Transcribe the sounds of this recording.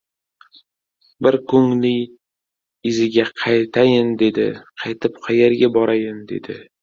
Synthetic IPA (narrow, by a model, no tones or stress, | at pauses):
bɪɾkʰʊŋlɪj | ɪzɪɡʲaqʰɑjt̪ʰajɪnd̪e̞d̪ɪ̰qʰɑjt̪ʰɪpqʰɑjeɾɡʲabɒɾajɪnd̪e̞̰d̪ɪ̰